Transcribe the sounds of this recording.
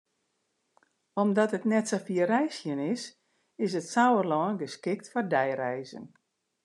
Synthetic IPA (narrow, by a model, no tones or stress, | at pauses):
ɔmdɔtətnɛtsofiərɛjsjənɪs | ɪsətsawərlɔːnɡəskɪk̚tfɔrdɛjrɛjzə̰n